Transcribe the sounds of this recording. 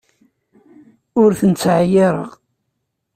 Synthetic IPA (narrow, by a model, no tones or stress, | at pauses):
ʊɾθənt͡sːʕajɪɾˤə̰ʁ